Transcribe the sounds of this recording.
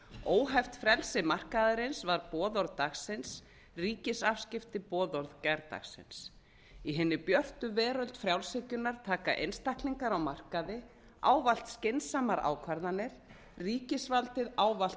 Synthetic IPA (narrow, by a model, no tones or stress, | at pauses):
oːwɦɛft̪fɾɛlsɪmar̥kaðaɾɪnsvaɾpɔːðɔɾðt̪axsɪns | riːcɪsafscɪft̪ɪpɔːðɔɾðcɛɾt̪a̰xsɪ̰ns | iɦɛnːɪpjœr̥t̪ʏvɛːɾʏlt̪fɾjawlsɪcʏnːaɾt̪ʰaːkaʔḛjnst̪ahkliŋkaɾawmar̥kaðɪ | a̰ːwval̥t̪scɪnsamaɾa̰ːwkʰvaɾðanːɪɾ̥ | riːcɪsvalt̪ɪðaːwval̥t̪